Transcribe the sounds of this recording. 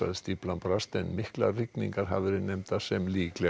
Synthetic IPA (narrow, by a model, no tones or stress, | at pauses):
a̰ðst̪iplampɾast̪ɛnmɪhkla̰rɪkniŋkaɾ̥ɦa̰vɪɾɪnɛjmt̪asɛmliːklɛ